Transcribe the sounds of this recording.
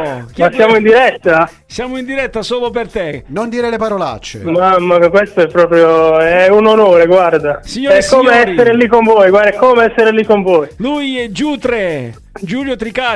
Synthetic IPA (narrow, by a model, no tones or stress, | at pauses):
kjmasːjaːmoind̪iɾɛt̪ːa | sjaːmoind̪iɾɛt̪ːasoːlopert̪enond̪iːɾelepaɾola̰t͡ʃːḛmamːakakwest̪oɛpːɾɔːpɾjoɛunonoːɾeɡward̪asiɲoːɛkːoːmeɛsːeɾelikːoɱvɔjɡward̪ɛkːoːmeɛsːeɾelikːoɱvɔːjlujɛd͡ʒuːt̪ɾe | d͡ʒuːljot̪ɾika